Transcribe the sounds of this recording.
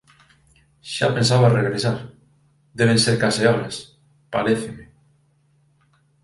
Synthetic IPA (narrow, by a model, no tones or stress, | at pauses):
ʃapẽ̞nsaβareɣɾesaɾ | ðeβ̞ẽ̞nseɾkaseoɾes | paɾeθeme